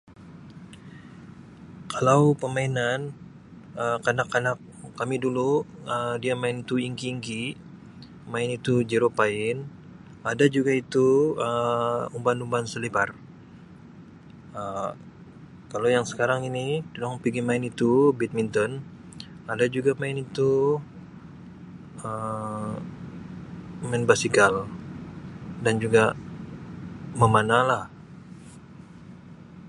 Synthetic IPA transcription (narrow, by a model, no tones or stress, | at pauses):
kʰalawpəmainan | əmkanakːanak̚ːamiduluədiamaɪnit̪uiŋkiːŋki | maɪnit̪ud͡ʒiɾopaɪn | adad͡ʒuɡait̪uəumbanumbansəlibar | ə | kalowjaŋsə̥kaɾaŋinidunɔŋpiɡimaɪnit̪ubit̪̚mint̪ɔn | adad͡ʒuɡamaɪnit̪u | ə | maɪnbasikal | dand͡ʒuɡa | məmanalah